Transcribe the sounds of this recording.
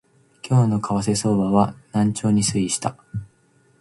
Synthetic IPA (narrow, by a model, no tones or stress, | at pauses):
kʲʰo̞ːno̞kʰaβase̞so̞ːbaβanãɲ̟t͡ɕo̞ːɲ̟isɨiɕi̥t̪a